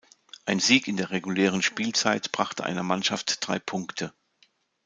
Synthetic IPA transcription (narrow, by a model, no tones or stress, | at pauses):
ʔaɪnziːkɪndeːɐʁeɡuleːʁ̞ənʃpiːlt͡saɪtb̥ʁaχtəʔa̰ɪnɐmanʃaftd̥ʁa̰ɪpʰʊŋktʰə